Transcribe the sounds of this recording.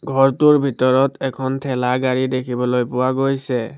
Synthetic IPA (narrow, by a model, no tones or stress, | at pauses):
ɡʱɔɹtuɹbʱitɔɹɔtɛkʰɔntʰɛlaɡaɹidekʰibɔlojpʊwaɡojsɛ